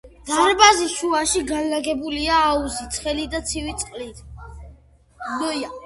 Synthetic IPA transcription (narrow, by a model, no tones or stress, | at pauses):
d̪̥aaɾbaziʃuaʃiɡanlaɡɛbuliaːuzit̪sʰχɛlid̪at̪sʰivit̪sʼqʼlit̪ʰ | dɔja